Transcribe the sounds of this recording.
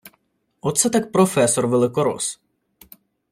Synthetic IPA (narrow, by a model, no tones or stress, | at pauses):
ɔt̪sɛt̪ak̚pɾɔfɛsɔrʋelˠɪkɔɾɔ̰s